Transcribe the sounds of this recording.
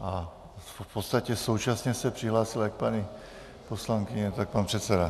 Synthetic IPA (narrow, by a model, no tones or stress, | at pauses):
ʔa | pot̪st̪acɛso̞wt͡ʃasɲɛsɛpr̥iɦlaːsiljak̚paɲi | poslaŋkiɲɛt̪ak̚paːnpr̥ɛt̪sɛda